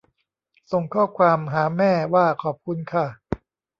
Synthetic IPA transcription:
so˨˩ŋkʰɔː˥˩kʰwaː˧mɦaː˩˦mɛː˥˩waː˥˩kʰɔː˨˩p̚kʰu˧nkʰa˥˩

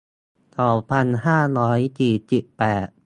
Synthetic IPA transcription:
sɔː˩˦pʰa˧nɦaː˥˩ɾɔː˦˥jt͡ɕiː˨˩t̪̚t͡ɕi˨˩pːɛː˨˩t̪̚

